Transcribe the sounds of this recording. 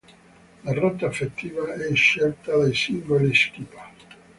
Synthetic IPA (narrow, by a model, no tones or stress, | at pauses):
larɔt̪ːaefet̪ːiːvaɛiʃɛlt̪ad̪ejsiŋɡoliskipḁ